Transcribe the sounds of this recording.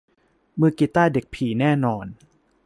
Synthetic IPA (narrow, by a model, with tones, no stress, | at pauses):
mɯ˧ki˨˩t̪aː˥˩de˨˩k̚pʰiː˨˩˦nɛː˥˩nɔː˧n